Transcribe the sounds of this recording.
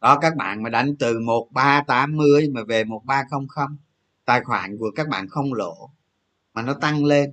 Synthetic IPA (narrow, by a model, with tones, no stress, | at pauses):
ɗɔ˨˦kaː˦˥k̚ɓa̰ː˧˨nmaː˨˩ɗa˨˦jŋ̟t̪ɨ˨˩mo˨˩t̚ɓaː˧t̪aː˨˦mːɨ˧əjmaː˨˩ve˨˩mo˨˩t̚ɓaː˧xə˧wŋ͡mxə˧wŋ͡m | t̪aː˧˨˩jxwa̰ː˧˩˨nku˧˩əkaː˦˥k̚ɓa̰ː˧˨nxə˧wŋ͡mlo̰˧˨ | maː˨˩nɔ˨˦t̪a˧ŋle˧n